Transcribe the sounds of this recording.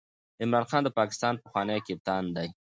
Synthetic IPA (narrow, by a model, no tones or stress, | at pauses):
ɪmɾɑnxɑnd̪əpɑkɪ̥st̪ɑnpəxwɑnajkɪp̚t̪ɑnd̪aj